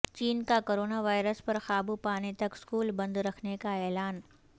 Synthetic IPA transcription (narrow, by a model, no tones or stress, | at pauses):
t͡ʃiːnkakoːɾoːnaʋaːɪɾəspɐɾxaːbupaːnit̪ɐkskuːlbɐ̃nd̪ɾɐkʰnekaɛːlaːn